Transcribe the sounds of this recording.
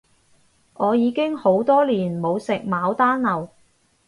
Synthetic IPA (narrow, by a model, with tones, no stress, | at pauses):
ʔɔː˨˧jiː˨˧kɪ˥ŋho˨˥wt̪ɔː˥liː˨˩nmo˨˧wsɪ˨k̚maː˨˧wt̪aː˥nlɐ˨˩w